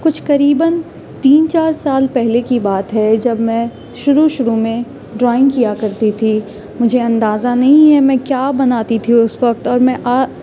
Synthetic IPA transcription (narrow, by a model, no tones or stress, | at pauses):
kʊt͡ʃʰkɐɾiːbən | t̪iːnt͡ʃaːɾsaːlpɛɦlekibaːt̪ɦɛd͡ʒɐbmɛ̃ː | ʃʊɾuʃʊɾumẽ | ɖɾɔːɪ̃ŋɡkijakɐɾt̪it̪ʰi | mʊd͡ʒʱeɐ̃nd̪aːzanɐɦĩɦɛmɛ̃ːkjaːbɐnaːt̪it̪ʰiʊsʋɐk̚t̪ɔːɾmɛ̃ʔaː